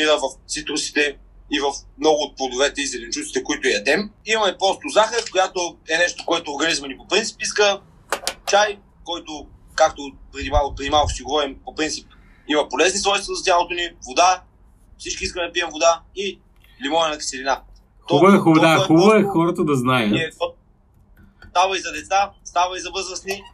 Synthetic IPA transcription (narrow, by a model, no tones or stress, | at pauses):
iɾəvɐft̪sit̪ɾʊsi̥t̪ɛ | ivɐfmnɔɡʊːt̪̚plˠod̪ovɛt̪ɛizɛlɛnt͡ʃusi̥t̪ɛkoit̪ʊɛjɐd̪ɛmimɐmɛpɾɔst̪ozaxəkojat̪oɛnɛʃt̪o̥koɛt̪oːɾɡɐnizmɐnipopɾint̪si̥piskə | t͡ʃaj | kɔjt̪o | kak̚t̪opɾɛd̪imavopɾɛd̪imavəʃiɡovɔɾimpopɾint̪sip̚ | imɐpolɛznisvɔjst̪vɐzɐt̪ʲjalˠot̪onivod̪a | fsit͡ʃkʲiiskəmd̪ɐpiɛmvod̪ai | limɔɛnɐki̥sɛlina | xɔubəɛxʊbd̪axuəɛxɔɾət̪əd̪ɐznaəniɛɔ | st̪avəizɐd̪ɛt̪sast̪avəizɐvɤzəsni